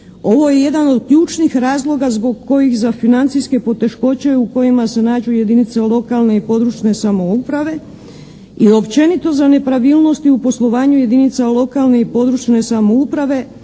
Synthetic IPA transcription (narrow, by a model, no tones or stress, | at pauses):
o̞ʋo̞je̞je̞d̪ano̞d̪kʎuːt͡ʃnixɾaːzlˠo̞ɡazbo̞ɡko̞jixzafinant̪siske̞po̞t̪e̞ʃko̞t͡ɕe̞uko̞jimase̞naːd͡ʑuje̞d̪init̪salˠo̞kalne̞ipo̞d̪ɾut͡ʃne̞samo̞upɾaʋe̞ | io̞pt͡ʃe̞nit̪o̞zane̞pɾaʋiːlˠno̞st̪iupo̞slˠo̞ʋaːɲuje̞d̪init̪salo̞kalˠne̞ipo̞d̪ɾut͡ʃne̞samo̞upɾaʋe̞